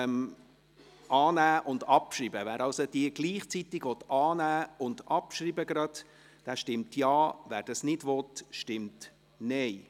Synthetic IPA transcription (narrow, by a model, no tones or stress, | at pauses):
m | ɑːnæːʔʊnd̪ɑpʃɾiːbəvæːɾɑlsod̥iəɡ̥liːχt͡sit̪ɪɡ̥ʋɔt̪ɑːnæːʊndɑpʃɾiːbəɡɾɑd̪ | d̥æːʃtɪmtʰjɑːvæːɾd̥ɑsnɪdʋɔtʃtɪmt | nɛɪ